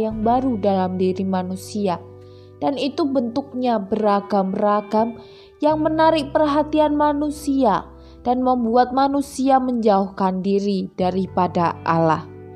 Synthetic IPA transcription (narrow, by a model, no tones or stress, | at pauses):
jaŋbaɾudalamdiɾimanusia | d̥anit̪ubənt̪ʊk̚ɲabəraɡamraɡam | jaŋmənaɾɪk̚pərɦat̪ianmanusia | d̥anməmbuat̪̚manusiaməɲd͡ʒauhkandiɾidaɾipadaʔa̰lah